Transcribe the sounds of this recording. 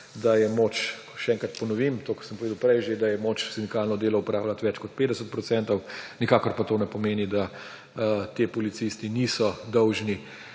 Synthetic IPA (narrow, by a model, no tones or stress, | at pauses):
d̪ajɛmoːt͡ʃ | ʃɛɛːŋkɾat̪pɔnɔʋimt̪oːksəmpɔʋed̪wpɾɛjʒed̪ajɛmoːt͡ʃsind̪ikalnɔd̪eːlɔupɾaːwlat̪ʋɛt͡ʃkɔt̪̚peːd̪ɛsət̪̚pɾɔtsɛnt̪ɔwnikaːkɔɾpat̪oːnɛpɔmeːnid̪a | t̪eːpɔlit̪sist̪iniːsɔd̪ɔwʒni